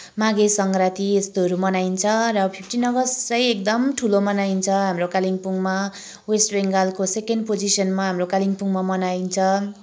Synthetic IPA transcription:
maɡesʌŋɡrat̪iest̪oɦʌɾumʌnaint͡sʰʌrʌpʰip̚ʰʈinʌɡʌsrʌjek̚d̪ʌmʈʰulomʌnaint͡sʰʌɦamrokaliŋpuŋma | wesʈbeŋɡalkosekenɖpod͡zisʌnmaɦamrokaliŋpuŋmamʌnaint͡sʰʌ

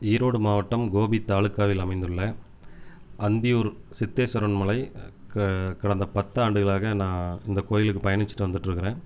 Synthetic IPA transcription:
iːɾoːɽɯmaːʋɐʈːɐmɡoːbit̪ːaːɭɯkːaːʋɪlɐmɐɪnd̪ɯɭːɐ | ʔɐnd̪ɪjuːɾsɪt̪ːeːsɔɾɐnmʊɭɐɪ | kɐɽɐnd̪ɐpɐt̪ːɐaːɳɖɯɣɐɭaːɣɐnãːɪnd̪ɐkoːjɪlɯkːɯpɐjɐnɪt͡ʃːɯ̥ʈːɯʋɐnd̪ɯʈːɾɯkːɪɾẽː

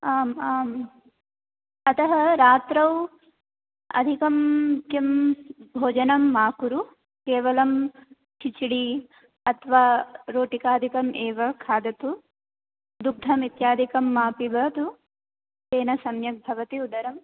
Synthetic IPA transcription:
aːmaːm | ɐt̪ɐɦɐɾaːt̪ɾɐw | ɐ̰d̪ʱikɐmkjɐmbʱoːd͡ʒɐnɐmːaːkuɾu | keːʋɐlɐm | t͡ʃʰit͡ʃiɽi | ɐt̪ʰʋaːɾoːʈikaːd̪ʱikɐmʔeːʋɐkʰaːd̪ɐt̪u | d̪uk̚d̪ʱɐmit̪jaːd̪ʱikɐmːaːpibʱɐt̪u | teːnɐsɐmjɐk̚bʱɐʋɐt̪iud̪ɐɾɐm

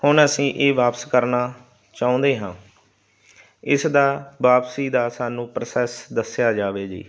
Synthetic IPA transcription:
hʊɳəsĩːʔeːʋaːpskəɾnaː | t͡ʃaːõːnd̪eːɦãː | ɪsd̪aːʋaːpsiːd̪aːsaːnũːpɾəsɛːsd̪əsjaːd͡ʒaːʋeːd͡ʒḭː

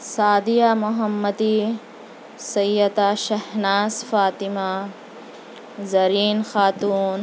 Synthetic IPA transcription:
saːd̪ijamʊɦɐmːɐd̪i | sɐjːɐt̪aːʃɐhnaːsfaːt̪ima | zɐɾiːnxaːt̪uːn

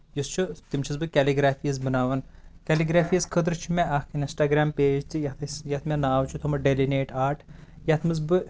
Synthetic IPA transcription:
just͡ʃʰut̪imt͡ʃʰɐzbɨkʲɛliɡɾaːfiːɐzbɨnaːʋɐnkʲɛliɡɾaːfʰiːɐzkʰəd̪ɾt͡ʃʰimʲeʔɐkʰininsʈaːɡɾaːmpeːd͡ʒt̪ijɐt̪ʰɐsjɐt̪ʰmʲenaːwt͡ʃʰut̪ʰumɐɖelineːʈaːɾʈʰjɐt̪ʰmɨzbɨ

